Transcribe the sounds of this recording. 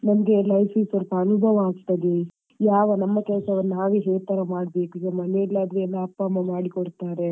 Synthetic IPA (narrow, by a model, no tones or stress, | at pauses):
nɐmɐɡe̞lɐjfiːsoɾpɐɐnubʱɐʋɐːɡt̪ɐd̪i | jaːʋɐnɐmːɐkɛlsɐʋɐnːaːʋeɦeːɾt̪ɐɾɐmaːɽbeːkuɡɐmɐneilːaːd̪ɾuɛlːɐːpːɐːmːɐmaːɽikɔɽt̪aːɾe